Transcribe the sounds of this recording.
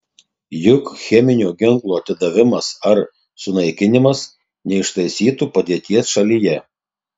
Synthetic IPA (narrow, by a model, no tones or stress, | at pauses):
jʊkxʲɛmʲɪnʲoːɡʲɪŋklˠoːɐt̪ʲɪd̪ɐʋʲɪmɐsɐɾ | sʊnɐɪkʲɪnʲɪmɐs | nʲɛɪʃt̪ɐɪsʲiːt̪uːpɐd̪ʲiɛt̪ʲiɛsʃɐlʲijɛ